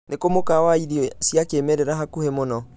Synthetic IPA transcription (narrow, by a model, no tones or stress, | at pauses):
nekomokawaiɾiɔsjakeːmɛɾɛɾaɦakuhemonɔ